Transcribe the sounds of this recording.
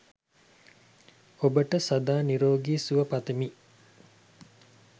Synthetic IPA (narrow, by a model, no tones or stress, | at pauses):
obəʈəsɐd̪aːniɾoːɡiːsuʋəpat̪emi